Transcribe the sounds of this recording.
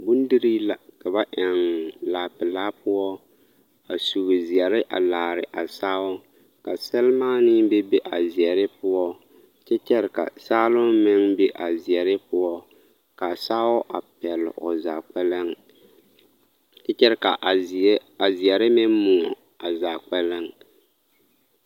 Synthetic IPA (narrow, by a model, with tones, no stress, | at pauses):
bu˦n˦di˦ɾiː˦la˨ka˨ba˦ʔɛ˨ŋlaː˨pɪ˨laː˦pʊ˦ɔ˦ | a˨su˨ɣɨ˨zɛ˨ɾɪ˦ʔa̰˨laː˨ɾɪ˨ʔa˨saː˦ʊ˦ | ka˨sɛ˦lmaː˦nɪ˦bɛ˦be˦ʔa˨zi˨ɛ˨ɾɪ˦pʊ˦ɔ˦ | t͡ʃɛ˦t͡ʃɛ˦ɾɪ˨ka̰˨saː˦lʊ˦mmɪ˦ŋbe˦ʔa˨zi˨ɛ˨ɾɪ˦pʊ˦ɔ˦ | ka˨saː˦ʊ˦ʔa˨pɛ˨l̰ʔʊ˨za˨k͡pɛ˦la˦ŋ | t͡ʃɛ˦t͡ʃɛ˦ɾɪ˦ka˨a˨zi˨ɛ˨ɾɪ˦mɪ˦n˦mu˨ɔ˨ | a˨za˨k͡pɛ˦la˦ŋ